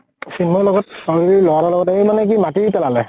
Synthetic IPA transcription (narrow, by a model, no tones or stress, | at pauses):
sinmɔlɔɡɔtsɔɹɡiɾilɔwaɾɔlɔɡɔtemanɛk̬imatipɛlalɛ